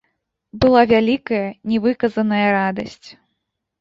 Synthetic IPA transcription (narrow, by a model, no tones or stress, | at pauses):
bɨlˠavʲalʲikɐjɐnʲɛvɨkɐzɐnɐjɐɾad̪ɐsʲt͡sʲ